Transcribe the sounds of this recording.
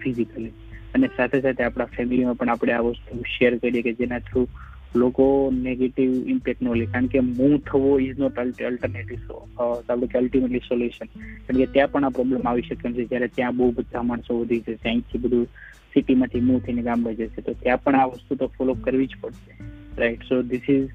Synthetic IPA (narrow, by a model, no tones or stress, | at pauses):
fʰizikəli | ənesat̪ʰesat̪ʰeapɽ̃afʰɛmilimãpəɳapɽ̃eaʋəst̪uʃeəɾkəiɾieked͡ʒenat̪ʰɾu | lokoneɡeʈiʋɪmpɛknolikaɾəɳkemũt̪ʰəʋoiznɔʈəlʈəlʈəɾneʈiʋso̰t̪apɽekeəlʈimeʈlisoljuʃənkaɾəɳket̪jãpəɳapɾɔblemaʋiʃəkːemt͡ʃʰed͡ʒjaɾet̪jãbəɦubəd̪ʱːamaɳsoʋəd̪ʱit͡ʃʰet̪jãĩt̪ʰibəd̪ʱu | siʈimãt̪ʰimũt̪ʰəineɡamɡəd͡ʒet͡ʃʰet̪ot̪jãpəɳaʋəst̪ut̪ofɔlokəɾʋid͡ʒpəɽʃeɾaɪʈsod̪ɪsiz